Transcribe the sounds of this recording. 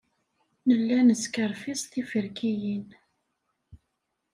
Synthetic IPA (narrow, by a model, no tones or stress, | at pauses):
nəlːænəskəɾfisˤt̪ifəɾkʰijin